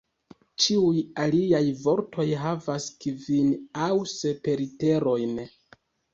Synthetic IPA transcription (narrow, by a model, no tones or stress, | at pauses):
t͡ʃiujaliajvo̞ɾtʰo̞jɦavaskivinawse̞pe̞ɾite̞ɾo̞jn